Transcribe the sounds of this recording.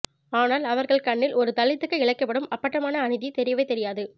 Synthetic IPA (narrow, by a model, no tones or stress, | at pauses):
aːnaːlɐʋɐɾɣɐɭkɐɳːɪlɔɾɯt̪ɐɭːɪt̪ːɯkːɐɪɭɐkːɐpːɐɽɯmɐpːɐʈːɐmaːnɐːnɪðit̪ɛɾɪjɐʋɐɪt̪ɛɾɪjaːðɯ